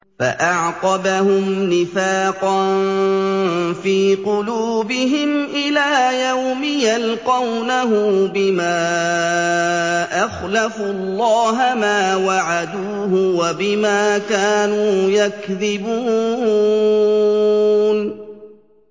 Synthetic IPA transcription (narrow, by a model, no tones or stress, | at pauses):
fa̰ʔɑʕqɑbahʊmnɪfaːqɑn | fiːqʊluːbɪɦɪmʔɪlaːjawmɪjalqɑwnaɦʊbɪmaː | ʔaxlafuɑlˤːɑːɦamaːwaʕad̪uːhʊwabɪmaːkaːnuːjakðɪbuː | n